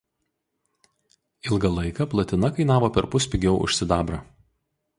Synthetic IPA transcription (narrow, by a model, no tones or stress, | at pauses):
ɪlˠɡɐlˠɐɪkɐplˠɐt̪ʲɪnɐkɐɪnɑːʋoːpʲɛɾpʊsʲpʲɪɡʲɛʊʔʊ̰ʃʲsʲɪd̪ɑːbɾɑː